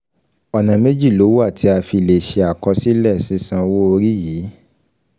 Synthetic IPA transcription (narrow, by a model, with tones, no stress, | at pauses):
ɔ˨nã˨me˦d͡ʒi˦˨lo˨˦wa˦˨ti˨˦a˧fi˧˨le˨ʃe˧a˨kɔ˧si˦lɛ˦˨sĩ˨˦sã˧wo˦o˧ɾi˦jiː˨˦